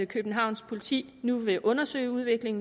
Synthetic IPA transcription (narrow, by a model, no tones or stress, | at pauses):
kʰøb̥n̩ɦɑ̈ʊ̰nspʰo̝lit͡sʰḭː | nuʋe̝ʔɔ̽nɐsø̰ɪuð̞ˠʋe̝ɡ̥le̝ŋn̩